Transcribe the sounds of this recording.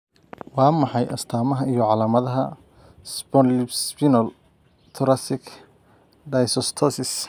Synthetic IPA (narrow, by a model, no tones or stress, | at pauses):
wɑːmɑħɑjʔɐst̪ʰaːmɐɦɐijɔʕɑlaːmɐðɐɦɐ̰ | sbɔnlɪbspinɔl | t̪ʰʊɾɐsɪkʰ | d̪ajsɔst̪ʰɔsɪs